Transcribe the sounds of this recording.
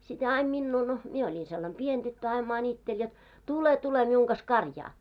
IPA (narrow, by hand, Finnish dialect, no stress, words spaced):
sit hæː ɑim minːuː no mie olʲin selːɑm pien d̥ytːø ɑim mɑnʲitːelʲ jot tule tule miuŋ kɑs kɑrjɑː